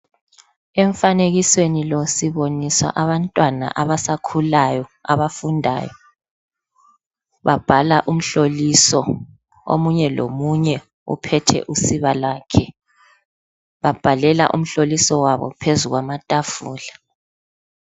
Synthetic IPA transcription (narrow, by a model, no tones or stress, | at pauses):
ɛɱfaneɣiswenilosiβoniswa̰ʔaβantʼwana̰ʔaβasakʰulajɔaβafundʱa̰ːjɔ | βab̥ʱalaʔum̩ɬolisɔ | o̰muɲɛlo̰muɲɛ | ṵpʰɛtʰɛ̰ʔusiβalaːkʰɛ | βab̥ʱalɛla̰ʔṵm̩ɬolisɔwaβɔ̰pʰezuɣwamatʼafuːla